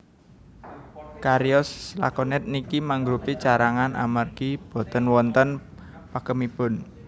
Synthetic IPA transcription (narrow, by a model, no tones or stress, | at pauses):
kaɾiɔsla̰kɔnɛt̪̚nikimaŋɡɾupit͡ʃaɾaŋanʔa̰marɡib̥o̤t̪ənwɔnt̪ən | pakəmib̥ʊ̤n